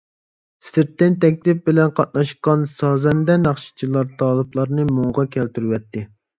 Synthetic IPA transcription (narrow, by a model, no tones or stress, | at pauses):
sɪɾt̪ːɪnt̪ʰɛk̚ʲlɪp̚bɪlɛnqʰɑt̪̚nɑʃqɑnsɑːzɛnd̪ɛnɑχʃi̥t͡ʃʰilˠɑɾt̪ʰɑːlˠɨblˠɑɾnɨmoŋʁɑkʲʰɛlt̪yɾwɛt̪ʰːɪ